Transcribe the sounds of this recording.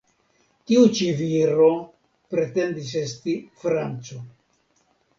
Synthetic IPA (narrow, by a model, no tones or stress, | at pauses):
tiut͡ʃiviɾo̞ | pɾe̞te̞ndis̬e̞stifɾant͡so